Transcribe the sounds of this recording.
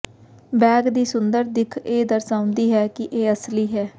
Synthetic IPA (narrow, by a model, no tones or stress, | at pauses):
bɛːɡd̪iːsʊnd̪əɾd̪ɪkʰeːd̪əɾsãːʊ̃nd̪iːɦɛːkɪʔeːəsliːɦɛː